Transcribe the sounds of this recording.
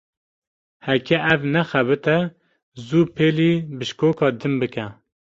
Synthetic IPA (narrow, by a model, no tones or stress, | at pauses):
hɛkʲɛʔævnɛxæβɨt̪ɛ | zuːpʰeːliːbɨʃkoːkɑːd̪ɨnbɨkɛ